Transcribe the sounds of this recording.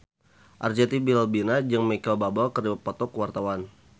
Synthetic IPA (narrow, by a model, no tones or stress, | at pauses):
ʔard͡ʒat̪ibillbinad͡ʒɨŋmekalbabɔlkəriwapɔt̪ɔkwart̪awan